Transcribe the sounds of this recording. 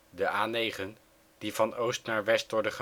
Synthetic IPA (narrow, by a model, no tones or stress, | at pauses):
dəʔaːnejχən | d̥ivɑnowstnaːɹʋɛstʋɔɹdəχə